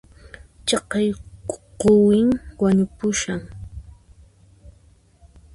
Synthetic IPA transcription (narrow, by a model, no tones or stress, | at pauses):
t͡ʃɑqɑjqowɪŋwaɲʊpʊʃaŋ